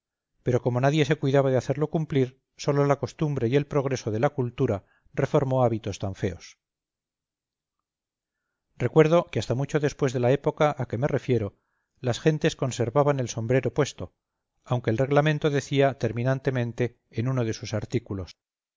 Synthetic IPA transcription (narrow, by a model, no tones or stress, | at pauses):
pe̞ɾo̞ko̞mo̞naðje̞se̞kwiðaβaðeaθe̞ɾlokumpliɾ | so̞lolako̞st̪umbɾe̞ie̞lpɾo̞ɣ̞ɾe̞so̞ðe̞lakult̪uɾa | re̞fo̞ɾmo̞aβit̪o̞st̪aɱfe̞o̞s | re̞kwe̞ɾð̞o̞keast̪amut͡ʃo̞ðe̞spwe̞zðe̞lae̞po̞kaʔake̞me̞re̞fje̞ɾo̞ | lasxe̞nt̪e̞sko̞nse̞ɾβaβane̞lso̞mbɾe̞ɾo̞pwe̞st̪o̞ | awŋke̞ːlre̞ɣlamẽ̞nt̪o̞ðe̞θiat̪e̞ɾmĩnãnt̪e̞mẽnt̪e̞ː | nunoð̞e̞susaɾt̪ikulo̞s